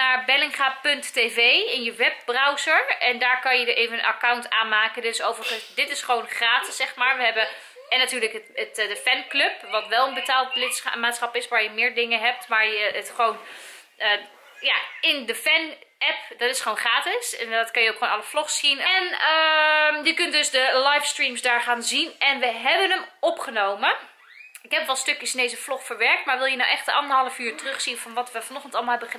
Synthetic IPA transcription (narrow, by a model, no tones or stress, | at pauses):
naɹbɛlɪŋχapɵntːeːvejɪnjəʋɛp̚brawzəɹɛndaːɹkɑnjədəʔeːvənənʔa̰kawntʰaːnmaːkəndøsowvərəχənsdɪtɪsχəʋownχraːtɪ̥sːɛχmaːɹʋəɦɛbə | ɛnːatyːɹləkəətdəfɛnkløpʋɑtʋɛlˠənbətaːlˠt̚blɪtsmaːtsχɑpɪsʋaːɹjəmɪːɹdɪŋəɦɛp̚tʋaːɹjəətχəʋown | ə | jaɪndəfɛnɛpdɔtɪsχəʋonχraːtɪsɛndɔtkɑnjəowkxχoːnɑlˠəflɔχsinnəjəkʏntdøsdəlajfstrimsdaːɹχaːnzinɛnʋəɦɛbənəmɔpχənowmə | ɪkɦɛpʋɔlˠstøkjəsɪndejzəflɔxfəɹʋɛɹk̚tmaɹʋɪlˠjənawʔɛxtəʔɑndəɹɦɑlˠəfyːɹtərʏχsiənfɔnʋɔtʋəfɔnɔχən̩tɑlˠmlˠɦɛbəχə